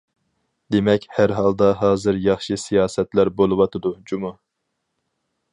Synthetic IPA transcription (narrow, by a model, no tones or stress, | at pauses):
d̪emɛkʲhæɾɦɑlˠd̪ɑɦɑːzɨɾjɑχʃɨsijɑːsɛt̪læɾbolˠɨwɑt̪ʰɨd̪ud͡ʒumɑ